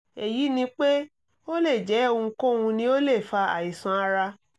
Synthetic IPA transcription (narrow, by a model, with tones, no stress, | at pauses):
e˨ji˨˦nĩ˧˦k͡pe˦ | o˦le˦˨d͡ʒɛ˨˦õ˦˧u˧ko˦˨ũ˧nĩ˧˦o˦le˦˨fa˧a̰˨i˨sã˧a˧ɾa˧